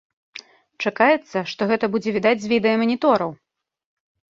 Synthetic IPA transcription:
t͡ʂakajɛt̪sːɐʂt̪ɔɣɛt̪ɐbud͡zʲɛvʲid̪ad͡zʲzʲvʲid̪ɛjɐmɐnʲit̪ɔɾɐw

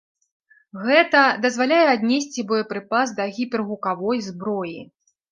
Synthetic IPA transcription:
ɣɛt̪ɐd̪ɐzvalʲajɛad̪ʲnʲɛsʲt͡sʲibɔjɐpɾɨpazd̪ɐɣʲipʲɛrɣukavɔjzbɾɔji

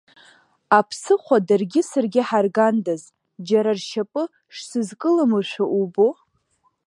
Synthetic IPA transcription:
apʰsɨχʷadarɡʲɪsɨrɡʲɪħarɡandaz | d͡ʒaɾarʃapʼɨ | ʂsɨzkʼɨlamɨʃʷᶣaʔubo

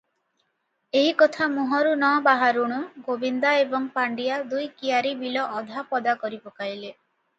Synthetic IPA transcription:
eɦikɔt̪ʰamuɦɔɾunɔbaɦaɾuɽ̃uɡobind̪aebɔŋpaɳɖijad̪ujkijaɾibilɔʔːd̪ʱapɔd̪akɔɾipɔkajle

